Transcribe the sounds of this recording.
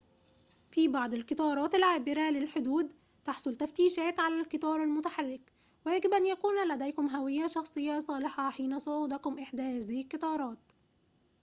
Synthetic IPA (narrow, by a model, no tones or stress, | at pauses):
fiːbɑʕd̪ˤɪlkɨt̪ˤɑːɾˤɑːt̪ɪlʕaːbɪɾælɪlħod̪uːd̪ | t̪ɑħsˤʊlt̪æft̪iːʃæːt̪ʕalælkɨt̪ˤɑːɾˤalmʊt̪aħarːɪk | wjæɡɪbʔænjækuːnlæd̪æjkʊmɦæwɪjːæʃɑxsˤɨjːɑsˤɑːlɪħɑħiːnæsˤoʕuːd̪ækʊmʔɪħd̪æhæːzihɪlkɨt̪ˤɑːɾˤɑːt̪̚